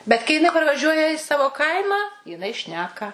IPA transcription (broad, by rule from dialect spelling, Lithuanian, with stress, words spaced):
bʲɛt kɐɪ jɪˈnɐɪ pɐrʋɐˈʒʲuɔjɛ ɪ ˈsɑːʋoː ˈkɐɪmɑː jɪˈnɐɪ ˈʃʲnʲæːkɐ